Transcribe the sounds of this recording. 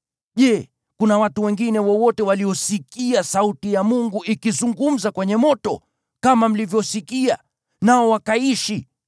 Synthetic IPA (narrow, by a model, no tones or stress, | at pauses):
ʄɛː | kunawatuwɛŋɡinɛwɔwɔtɛwaliɔsikiasautijamuŋɡuʔikizuŋɡum̩zakwɛɲɛmɔtɔ | kamam̩livjɔsikia̰ | naɔwakaiʃi